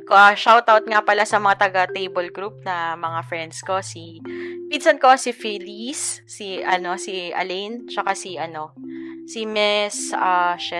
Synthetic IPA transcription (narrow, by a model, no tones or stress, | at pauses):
koʔɐʃawt̪awt̪̚ŋapɐlasɐmɐŋat̪ɐɡat̪ejbolɡɾup̚nɐmɐŋafɹɛnd̪sko̞si | pinsɐnko̞sifilisː | iʔɐno̞siʔɐ̰lejnt͡ʃɐkasiʔɐno̞simɛsʔaʃɛ